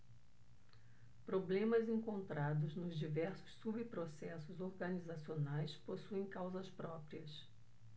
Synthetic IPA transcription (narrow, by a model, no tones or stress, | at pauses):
pɾoblẽmɐzẽŋkõnt̪ɾad̪ʊznʊzd͡ʒivɛɾsʊ̥sːubipɾosɛsʊzoɾɡɐnizasionajsposuẽj̃kawzɐspɾɔpɾiɐs